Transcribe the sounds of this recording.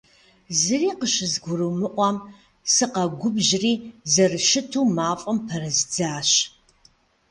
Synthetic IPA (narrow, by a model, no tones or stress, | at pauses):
zɨriːqəʃɨzɡʷʊɾuwmɨʔʷɑm | sɨqɐɡʷʊbʑriːzɐrɨʃɪtʰuːmaːfʼɐmpʰɐɾɐzd͡zaːɕ